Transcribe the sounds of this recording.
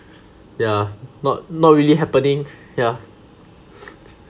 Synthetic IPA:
janɔt̚nɔt̚ɹiliɦɛpənĩŋ | ja

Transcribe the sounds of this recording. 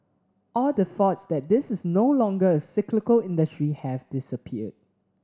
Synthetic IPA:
ʔɔldəθɔtsdɛt̚dɪsɪsnoʊlɔ̃ŋɡəəsɪklɪkəlɪ̃ndəstɹihɛvdɪsəpʰiəd̚

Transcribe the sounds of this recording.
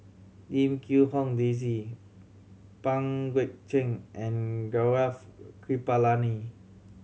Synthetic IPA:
dĩmkʰuhɔ̃ŋdez̬i | pãŋɡwɛt̚t͡ʃɛ̃ŋʔɛ̃nɡaafkʰɹipalani

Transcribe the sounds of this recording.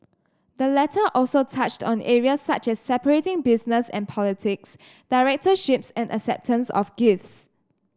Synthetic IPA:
dəlɛtʰəʔɔlsotʰat͡ʃtɔ̃nʔɛɹiəsːat͡ʃɛsːɛpəɹetɪ̃ŋbɪsnəsɛ̰̃npʰɔlitʰɪks | d̥aɪɹɛk̚təʃɪpsɛ̃nʔə̰ksɛ̰p̚tʰə̃nsɔ̰fɡɪfts

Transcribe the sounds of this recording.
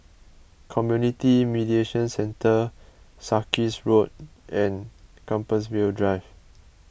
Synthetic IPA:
kʰɔmjunitimidieʃə̃nsɛ̃ntə | sakisɹot̚ɛ̃nkãmpəs̬weldɹaɪv

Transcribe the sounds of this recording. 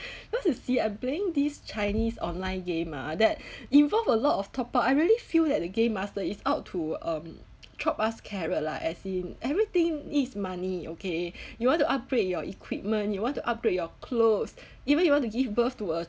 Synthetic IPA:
jwɔ̃ntusiãɪ̃mpleɪ̃ŋdist͡ʃaɪnisɔ̰̃nlãɪ̃nɡẽma̰dɛt̚ĩnvɔlvəlɔtɔftʰɔpəaɪɹiəlifildɛt̚dəɡẽmːastəisaʊtʰuʌ̃m | tʰɹɔpaskʰɛɹəla̰ʔɛsĩnɛvɹit̪ɪ̃ŋnidsmaniokejuwɔ̃ntuʔap̚ɡɹet̚jɔʔikʰwip̚mə̃njuwɔ̃ntuʔap̚ɡɹet̚jɔkʰlos | ivə̃njuwɔ̃ntuɡivbəftuə

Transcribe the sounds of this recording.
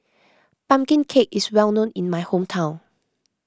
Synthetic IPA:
pãmkĩnkʰekiswɛlˠnõnĩnmaɪhõmtʰãʊ̃n

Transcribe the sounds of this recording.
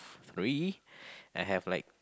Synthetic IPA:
θɹi | ʔaɪɦævlaɪk̚

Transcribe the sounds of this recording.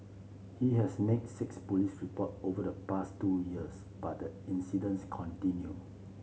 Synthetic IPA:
hiɦɛsnɛk̚sɪkspɔlisɹipɔtovədəpastujiəs | b̥at̚dəĩnsidə̃nskʰɔ̃ntĩnju

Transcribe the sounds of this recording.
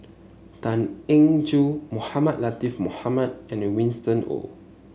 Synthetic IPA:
tãnẽŋd͡ʒumohamat̚latifmohamad̚ɛ̃nəwĩnstə̃no̰

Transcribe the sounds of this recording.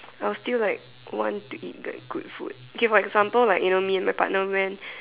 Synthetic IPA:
aɪwɔstillaɪk̚ | wɔ̰̃ntuʔit̚da̰k̚ɡ̥ṵtfṵd̥̚okefɔɛɡzãmpəllaɪkjunomiɛ̃nmaɪjpa̰ʔnəwɛ̃n

